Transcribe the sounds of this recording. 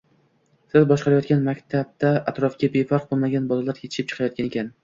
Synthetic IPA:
sɪzbɒʃqɑɾajɒt̪̚ɡʲanmakʲt̪ʰab̚d̪aat̪ɾɒfkʲabefaɾq̚bolˠmaɡʲanbɒlˠalaɾkʲʰet̪ʰɪ̥ʃɪp̚t͡ʃʰɨ̥qʰɑjɒt̪̚kʲanekʲʰan

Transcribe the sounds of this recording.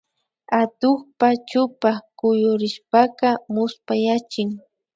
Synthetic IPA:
at̪ʊxpat͡ʃʊpakʊjʊɾɪʃpakɑmʊspajat͡ʃɪŋ

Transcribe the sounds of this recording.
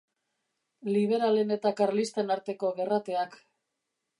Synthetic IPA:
liβ̞e̞ɾale̞ne̞t̪akarlist̪enaɾt̪e̞ko̞ɣe̞rat̪e̞ak

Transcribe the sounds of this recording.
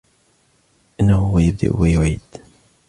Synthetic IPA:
ʔɪnːahʊwajɪb̚d̪a̰ʔwajʊʕiːd̪̥

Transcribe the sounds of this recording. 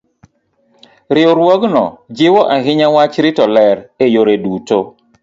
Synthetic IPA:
ɾioɾwɔɡnɔ̰d͡ʒiwɔʔaɦiɲawat͡ʃɾitɔlɛɾejoɾeduːto

